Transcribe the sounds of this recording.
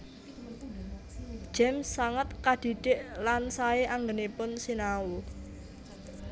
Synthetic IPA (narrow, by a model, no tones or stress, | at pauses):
ʒ̥ɛmsːaŋət̪̚kad̪̥i̤ɖ̥ɪʔlansaeʔaŋɡənepʊnsinawu